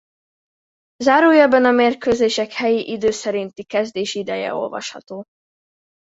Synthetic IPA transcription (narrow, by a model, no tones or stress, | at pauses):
zaːɾuːjɛbɛnɒmeːrkøːzeːʃɛkhɛjiʔid̪øːsɛɾint̪ikɛzd̪eːʃid̪ɛjɛ̰o̞̰lvɒ̰ʃhɒ̰t̪oː